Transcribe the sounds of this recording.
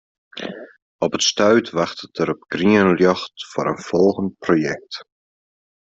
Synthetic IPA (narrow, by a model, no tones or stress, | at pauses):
ɔpətstœɥtʋɑχtətəɾɔpɡ̥riənljøχtfʊ̰ːɾənfɔlˠχənt̚projɛk̚t